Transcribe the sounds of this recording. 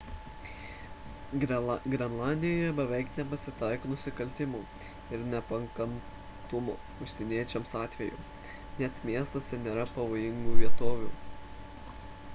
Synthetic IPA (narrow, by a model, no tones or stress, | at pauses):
ɡɾʲɛnlˠɑːnʲd̪ʲɪjoːjɛbɛʋʲɛɪknʲɛpɐsʲɪt̪ɑˑɪkoːnʊsʲɪkɐlʲt̪ʲɪmoː | ɪɾnʲɛpɐŋkɐn | t̪ʊmoː | ʊʃʲsʲɛnʲiɛt͡ʃʲɛmsɑːt̪ʲʋʲɛjṵː | nʲɛt̪mʲiɛst̪oːsʲɛnʲeːɾɐpɐʋoːjɪŋɡuːʋʲiɛt̪oːʋʲuː